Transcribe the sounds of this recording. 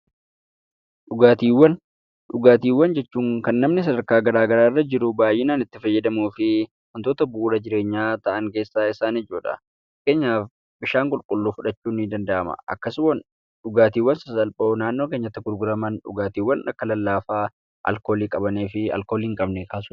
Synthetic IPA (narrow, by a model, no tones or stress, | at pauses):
ɗʊɡaːt̪iːwːɐn | ᶑʊɡaːt̪iːwːɐnd͡ʒɛt͡ʃːuːŋkɐnːɐmnɪs̬ɐd̪ɐɾkaːɡɐɾaːɡɐɾaːrːɐd͡ʒɪɾʊbaːjːɪnaːnɪt̪ːɪfɐjːɛd̪ɐmuːfɪ | wɐnt̪oːt̪ɐbuːɾɐd͡ʒɪɾe̞ːɲːaːt̪ɐʔɐŋkeːsːaːɪsaːnɪd͡ʒuːᶑɐ̰ | ke̞ːɲːaːf | bɪʃaːŋkʼʊlkʼʊlːuːfʊᶑɐt͡ʃːuːnːid̪ɐnd̪ɐʔɐmɐ̰ʔɐ̰kːɐswɐn | ɗʊɡaːt̪iːwːɐnsɐsɐlpʼoːnaːnːo̞ːke̞ːɲːɐt̪ːɪɡʊɾɡʊɾɐmɐnᶑʊ̰ɡaːt̪iːwːɐnɐkːɐlɐlːaːfaː | ʔɐ̰lko̞ːliːkʼɐbɐneːfɪɐ̰lkoːliːŋkʼɐbnɛkaːsʊ